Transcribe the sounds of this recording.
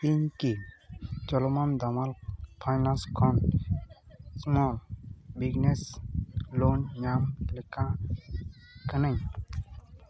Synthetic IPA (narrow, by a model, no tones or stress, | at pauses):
iɲki | t͡ʃɔlɔmand̪amalpʰajnãnskʰɔn | smɔlbiɡnes | lonɲamlɛkã | kənaɲ